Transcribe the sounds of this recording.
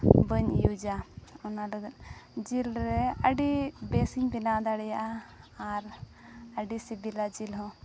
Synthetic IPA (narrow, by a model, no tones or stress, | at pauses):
bəɲ̰jud͡ʒaɔnalɔɡd͡ʒilɾɛəɖibɛsiɲbinad̪aɽɛjaʔaː | ɾ | əɖisibilad͡ʒilɦɔ̃